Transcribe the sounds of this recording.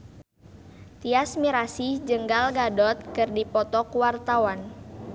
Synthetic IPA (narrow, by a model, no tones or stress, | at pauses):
t̪iasmiɾasid͡ʒəŋɡalɡadɔt̪̚kɨrdipɔt̪ɔkuwart̪awan